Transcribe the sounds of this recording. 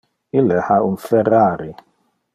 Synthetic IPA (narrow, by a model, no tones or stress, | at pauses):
ilːehaunfɛraːɾi